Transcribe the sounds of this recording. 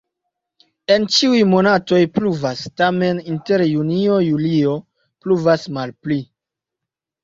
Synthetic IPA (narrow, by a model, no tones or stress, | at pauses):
e̞nt͡ʃiujmo̞nato̞jpluvastame̞ninte̞ɾjunio̞julio̞ | pluvasmalpli